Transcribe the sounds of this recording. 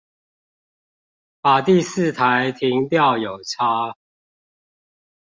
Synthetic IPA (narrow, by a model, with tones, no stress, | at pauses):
pa˨˩t̪i˥˨sɹ̩˥˨t̪ʰa˨˦ɪt̪ʰi˨˦ŋt̪jɑ˥˨ʊjo˨˩ʊt͡sʰa˦